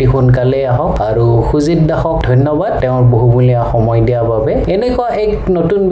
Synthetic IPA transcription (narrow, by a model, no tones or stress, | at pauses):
ixunk̬alɛaɦɔkaɹuxuzit̚daxɔk̚dʱɔjnːɔbad̚tɛʊ̃ɹboɦubuliaxɔmɔjdijababɛ | ɛnɛkɔaʔɛknotunb